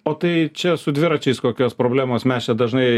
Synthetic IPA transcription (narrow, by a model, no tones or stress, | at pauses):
oːt̪ɐɪt͡ʃʲɛsʊd̪ʲʋʲɪɾɐt͡ʃʲɛɪskoːkʲoːspɾoːbʲlʲæːmoːsmʲæst͡ʃʲɛd̪ɐʒnɐɪ